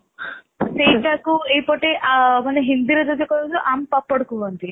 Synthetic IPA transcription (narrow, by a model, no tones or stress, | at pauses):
sejʈakuejpɔʈeʔamaneɦind̪iɾed͡ʒɔd͡ʒɔkɔɾsuʔampapːɔɽkubɔnt̪i